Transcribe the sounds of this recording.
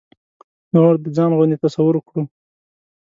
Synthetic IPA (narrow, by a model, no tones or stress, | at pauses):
nʁoɾd̪əd͡zɑnʁʊnd̪et̪asawʊɾkɽu